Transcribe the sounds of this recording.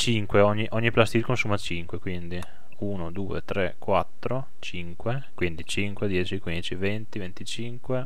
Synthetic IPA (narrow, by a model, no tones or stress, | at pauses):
t͡ʃiŋkweɔɲːiʔɔɲːiplast̪ikonsuːmat͡ʃiŋkwekwind̪i | uːnod̪uːḛt̪ɾɛkwat̪ːɾo | t͡ʃiŋkwe | kwind̪it͡ʃiŋkwed̪jɛːt͡ʃikwind̪it͡ʃivent̪ivent̪it͡ʃiŋkwe